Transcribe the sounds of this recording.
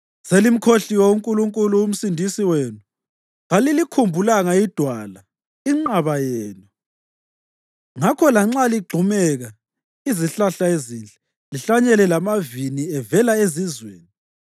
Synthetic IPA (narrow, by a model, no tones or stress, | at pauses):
selim̩kʰoɬiwɔuŋkʼuluŋkʼuluum̩sindʱisiweːnu | ɣalilikʰumbʱulaŋaid̥ʱwala | iŋ͡ǃaβajɛːnu | ŋakʰɔlaŋ͡ǁaliɡ͡ǃʱumɛɣa | iziɬaɬaezint͡ɬʼɛ̥ | liɬaɲɛlɛlamaviniɛvɛlaezizweːni